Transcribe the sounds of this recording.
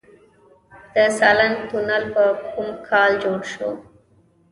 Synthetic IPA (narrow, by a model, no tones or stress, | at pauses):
d̪̥əsalant̪unalpəkʰumkʰɑld͡ʒoɽʃo̰